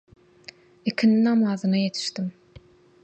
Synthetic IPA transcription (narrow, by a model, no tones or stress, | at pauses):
ikʲʰininɑmɑzɯnɑjet̪ʰi̥ʃt̪im